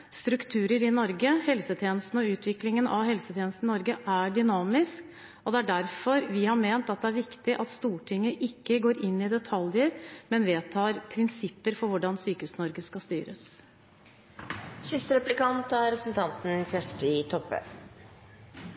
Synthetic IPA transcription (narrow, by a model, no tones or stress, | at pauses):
st̪ɾʉkt̪ʰʉːɾəɾɪnɔɾɡəhɛlsət̪ʰjeːnəst̪n̩ɔʉːt̪ʰʋɪklɪŋənʔɑ̰ʋɦɛlsət̪ʰeːnəst̪nɪnɔɾɡəʔæɖʏnɑːmɪsk | ɔd̪ɛæɖæɾfɔɾʋɪhɑɾmeːnt̪ɑt̪̚d̪ɛæɾʋɪkt̪ɪʔɑt̪st̪uːʈʰɪŋːəʔɪkːəɡoːɾʔɪnːɪd̪ɛt̪ʰɑljəɾmɛnʋeːt̪ʰɑːɾpʰɾɪnsɪpːəɾfɔɾʋʊɖɑnsyːkəʉːsnɔɾɡəskɑst̪yːɾə̰s | sɪst̪əɾɛplɪkɑnt̪ɑɾɛpɾəsn̩t̪ʰɑnt̪n̩sɛʂʈɪt̪ʰɔpːə̰